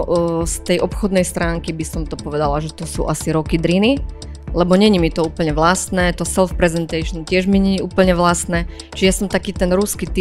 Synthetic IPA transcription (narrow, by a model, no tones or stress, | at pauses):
st̪ɛjʔɔpxɔd̪nɛjst̪ɾaːŋkibisɔmt̪ɔpɔʋɛd̪alaʒɛt̪ɔsṵːʔasiɾɔkid̪ɾini | lɛbɔɲɛɲimit̪ɔuːpl̩ɲɛʋlast̪nɛːt̪ɔsɛlfpɾɛzɛnt̪ɛʃnc̪ɪɛʒmiɲɛɲiuːpl̩ɲɛʋlast̪nɛ | t͡ʃiɛjasɔmt̪akiːt̪ɛnɾuskit̪i